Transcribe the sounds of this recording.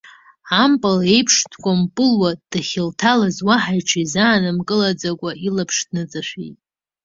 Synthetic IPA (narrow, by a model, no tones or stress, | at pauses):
ampʼale̞jpʰʂtʰkʷʼampʼɨlwad̥aχʲɪltʰalazwaħajʈ͡ʂʰizaːnɨmkʼɨlad͡zakʷʼaʔilapʰʂdnɨt͡sʼaʃʷᶣḭjtʼ